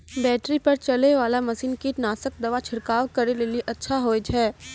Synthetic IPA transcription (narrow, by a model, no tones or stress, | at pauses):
bɛːʈɾipɐɾt͡ʃɐleʋaːlamɐsiːnkinaːsək̚d̪ɐʋat͡ʃʰɪɾkaːʋkɐɾeleːliʔɐtːʃʰaɦoːed͡ʒɦɛː